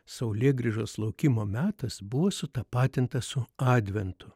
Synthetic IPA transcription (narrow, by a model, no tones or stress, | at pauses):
sɐʊlʲeːɡɾʲɪʒoːslˠɐʊkʲimoːmʲæːt̪ɐsbʊʋoːsʊt̪ɐpɑːt̪ʲɪnt̪ɐsʊɑːd̪ʲʋʲɛnt̪ʊ